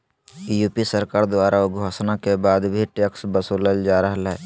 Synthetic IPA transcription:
juːpisəɾkaːɾd̪owaːɾʔaoɡʱoːsnakebaːd̪bʱiʈeːksbəsoːləld͡ʒaːɾəɦlɦɛː

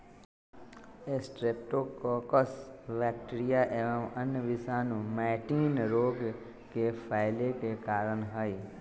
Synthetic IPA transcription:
esʈɾeːp̚ʈokoːkəsʋɛːkʈːɾijaʔeʋə̃mənjʋɪsaːnũmɛːʈiːnɾoːɡ | kepʰaːɪlekekaːɾənɦaiː

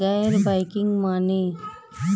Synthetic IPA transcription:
ajeɾbajkɪŋɡmaːne

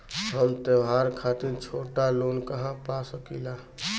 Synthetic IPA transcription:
ɦəmt̪əʋaɾkʰaːt̪ɪɾt͡ʃʰoːʈaloːnkəɦãpasəkila

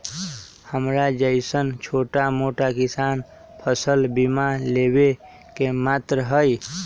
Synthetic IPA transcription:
həmɾad͡ʒəɪsənt͡ʃʰoʈamoʈakisan | pʰəsəlbimalebe | kemat̪ɾɦəj

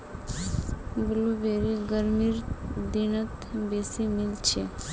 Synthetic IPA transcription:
bəlubeːɾiɡəɾmiɾd̪inət̪beːsimɪlt͡ʃʰe

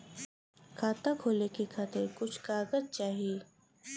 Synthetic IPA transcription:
kʰaːt̪akʰoːlekekʰaːt̪ʰekʊt͡ʃʰkaːɡəzt͡ʃaːɦieː

